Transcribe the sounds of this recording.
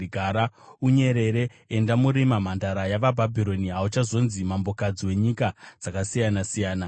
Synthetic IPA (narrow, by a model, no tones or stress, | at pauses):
ɡʱaɾauɲe̞ɾe̞ɾe̞ | endamuɾimam̤andaɾajaʋabʱabʱiɾo̞niɦaut͡ʃazo̞nzimambo̞kad͡ziwe̞ɲikad͡z̥akasijanasijaːna